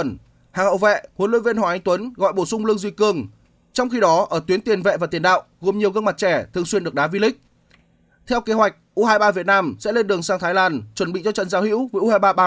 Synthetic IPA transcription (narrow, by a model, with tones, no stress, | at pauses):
n | haː˨˩ŋhə̰˧˨wvɛ̰˧˨hwnlwṵ˧˥jvi˧nhwaː˨˩ʔa˨˦ŋ̟t̪wə˨˦nɣɔ̰˧˨jɓo˧˩sʊ˧ŋ͡mlɨ˧əŋzwi˧˩kɨ˧˩əŋ | t͡ɕɔ˧wŋ͡mxi˧ɗɔ˨˦ʔəː˧˩t̪wi˨˦ənt̪i˨˩ənvɛ̰˧˨vaː˨˩t̪i˨˩ənɗa̰ː˧˨wɣo˨˩mɲi˨˩əwɣə˧ŋma˨˩t̚t͡ɕɛ˧˩t̪ʰɨ˨˧əŋswi˧nɨ˨˩ək̚ɗaː˨˦vi˧lï˦˥k̟̚ | t̪ʰɛ˧wke˨˦ɦwa˨˩jk̚ʔu˧haː˧jɓaː˧vi˨˩ət̚naː˧msɛ̰˧˥le˧nɗɨ˨˩əŋsaː˧ŋt̪ʰa˨˦laː˧˩nt͡ɕwə˧˩nɓḭ˧˨t͡ɕɔ˧t͡ɕə̰˧˨nzaː˨˦whḭ˧˥wvəː˧˦ʔu˧haː˧jɓaː˧jɓaː˧